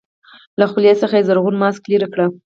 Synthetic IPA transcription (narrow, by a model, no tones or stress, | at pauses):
laxuljesəxaezaɾɣunmɑskliɾakɽa